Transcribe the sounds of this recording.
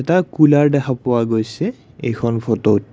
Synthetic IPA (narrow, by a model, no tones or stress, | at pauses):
ɛtakulaɹdɛkʰapɔwaɡojsɛ | ḛjkʰɔnpʰɔtowt̚